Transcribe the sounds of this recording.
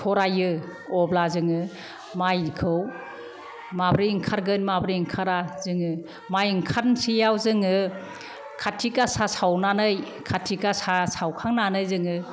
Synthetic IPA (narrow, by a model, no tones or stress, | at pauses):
tʰɔɾajɯ | ɔblazɯŋɯ | majkʰɯw | mabɾiŋkʰaɾɡɯnmabɾiiŋkʰaɾazɯŋɯ | majɯŋkʰatnsijawzɯŋɯ | kʰatʰikasasawnanɯj | kʰatʰikasasawkʰaŋnanɯjzɯŋɯ